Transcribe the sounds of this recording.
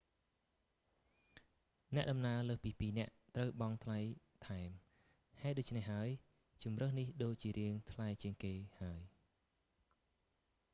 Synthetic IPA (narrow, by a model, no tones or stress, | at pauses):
nɛ̆əʔɗɑmnaələːhpiːpiːnɛ̆əʔt̪rəwɓɑŋt̪ʰlajt̪ʰaɛm | haɛt̪̚ɗoːc̚t͡ɕʰnehɦaəj | t͡ɕumrəhnihɗoːc̚t͡ɕiəɾiəŋt̪ʰlajt͡ɕiəŋkeːhaəj